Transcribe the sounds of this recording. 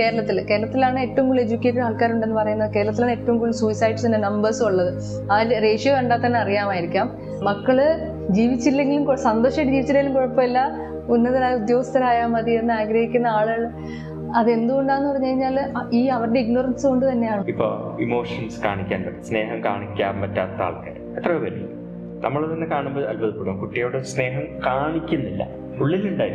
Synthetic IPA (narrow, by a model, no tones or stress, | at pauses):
ke̞ːɾɐɭɐt̪ːilke̞ːɾɐɭɐt̪ːilaːɳɨe̞tːɐʋumkuɭed͡ʑukʲːeʈːɐɾaːlkaːɾuɳɖe̞nːɨpɐrɐjunːɐðɨkeːɾɐɭɐt̪ːilaːɳɨe̞tːɐʋumkuːɭsuisɐjɖɨsenːenɐmbɐrsɨuɭːɐðɨ | ɐːɾre̞ːʂijɐʋeɳɖaːt̪ːɐnːeɐrijaːmaːjiɾikʲːaːm | mɐkːɐɭɨ | d͡ʑiːʋit͡ɕːilːe̞ŋɡilumkosɐnd̪oːʂɐʈːɨd͡ʑiːʋit͡ɕːiɾeːilumkoɻɐpːɐelːɐ | unːɐðɐɾaːjud̪jo̞ːst̪ɐɾaːjamɐðie̞nːɨaːɡɾɐhikʲːunːɐaːɭuɣɐɭ | ɐðe̞nd̪uɣo̞ɳɖaːnːupɐrɐɲːɐkɐɾiɲːaːliːɐʋɐɾɽeiɡnorɐnsɨko̞ɳɖɨt̪ɐnːejaːɳɨipːo̞̰ːimo̞ːʂɐnska̰ːɳikʲːa̰ːnpɐɽesne̞ːɦɐmka̰ːɳikʲːa̰ːmpɐtːa̰ːt̪ɐa̰ːɭka̰ːɾɐmet̪ːrɐʋeʋɐɾḭjṵm | nʔɐ̰mːɐɭt̪ɐnːekaːɳumboːɐlbɐðɨpːuɽumkuʈːijo̞ːɽɨsne̞ːɦɐmkaːɳikʲːunːilːɐ̰ | uɭːilːuɳɖaːjiɾ